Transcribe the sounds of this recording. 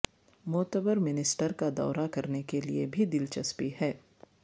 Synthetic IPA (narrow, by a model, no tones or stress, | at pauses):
mɔːt̪əbəɾmɪnɪsʈəɾkad̪ɔ̰ːɾakɐɾnekeliḛbʱid̪ɪlt͡ʃɐspiɦɛː